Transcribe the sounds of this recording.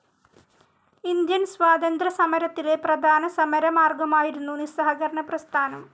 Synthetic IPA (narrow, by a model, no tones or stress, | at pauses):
ind̪jɐnsʋaːd̪ɐnd̪ɾɐsɐmɐɾɐt̪ːile̞prɐd̪ʱaːnɐsɐmɐɾɐmaːrɡɐmaːjiɾunːunisɐɦɐkɐɾɐɳɐprɐst̪ʰaːnɐm